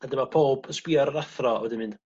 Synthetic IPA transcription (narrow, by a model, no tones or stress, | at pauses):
adəmapʰoːbəspiɔɾəɾaθrɔɔ̰wɛdɪnmɪnd